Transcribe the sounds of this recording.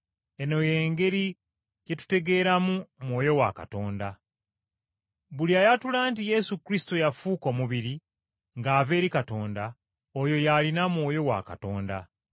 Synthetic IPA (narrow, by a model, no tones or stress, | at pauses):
e̞no̞je̞ːŋɡe̞ɾi | je̞tu̥te̞ɡe̞ːɾamumwo̞ːjo̞wa̰ka̰to̞ːnda | βuliajatulaːntije̞sukɾisi̥tojafuːko̞muβiɾi | ŋɡaːve̞ːɾikato̞ːnda | ojo̞jalinamwo̞ːjo̞wa̰ka̰to̞ːnda